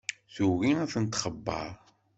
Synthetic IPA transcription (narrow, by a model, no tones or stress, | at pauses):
θuɣiæθənt̪χəbːɑ̰ɾ